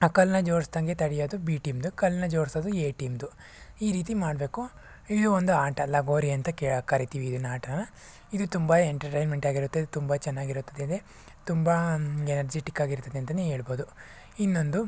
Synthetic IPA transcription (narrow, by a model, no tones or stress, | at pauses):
ɐkɐlnɐd͡ʒoːɾsd̪ɐŋɡe̞t̪ɐɽijoːd̪ubiːʈiːmd̪ukɐlnɐd͡ʒoːɾsoːd̪ueːʈiːmd̪u | iːɾiːt̪imaːɽbe̞ːku | id̪uond̪uaːʈɐlːɐɡoːɾiɐnt̪ɐkekɐɾit̪iʋiːd̪unaːʈɐɐnɐ | id̪ut̪umbɐeɳʈɐɾʈejnmeɳʈaːɡiɾut̪ːed̪ut̪umbɐt͡ʃɛnːaːɡiɾut̪ːɐd̪ed̪e | t̪umbɐenɐɾd͡ʒeːʈikːaːɡiɾt̪ɐd̪eɐnt̪ɐneɦe̞ːɭbo̞ːd̪u | inːo̞nd̪u